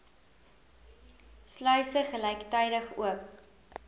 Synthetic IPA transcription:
slœɥsəχəlɛjktɛjdəχṵəp

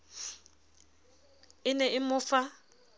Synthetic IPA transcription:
ɪnɛʔɪmʊːfa

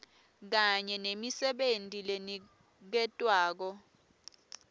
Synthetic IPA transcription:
k̬aɲɛnemisɛɓentʼileni | k̬ɛtʼwaːk̬ɔ

